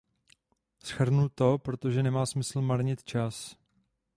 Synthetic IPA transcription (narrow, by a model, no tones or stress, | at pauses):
sxr̩nut̪o̞pɾo̞t̪o̞ʒɛnɛmaːsmɪsl̩maɾɲɪt̪t͡ʃas